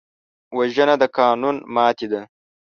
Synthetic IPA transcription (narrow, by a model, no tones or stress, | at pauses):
wɐʒənad̪əkɑːnunmɑːt̪id̪a